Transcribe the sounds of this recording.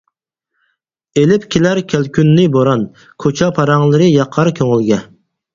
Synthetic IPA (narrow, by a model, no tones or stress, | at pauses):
elɪpkʲʰelæɾkʲʰælkʲynːɪboɾɑn | kʰot͡ʃʰɑpʰɑɾɑŋlˠɨɾɨjɑqʰɑɾkʲʰøŋɪlɡʲɛ